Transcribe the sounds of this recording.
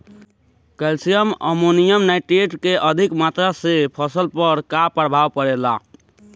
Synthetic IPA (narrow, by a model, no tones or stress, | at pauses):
kɛlsijəmə̰monijəmnajʈeʈkeʔəd̪ʱikmat̪ɾasepʰəsəlpəɾkapɾbʱaʋpəɾela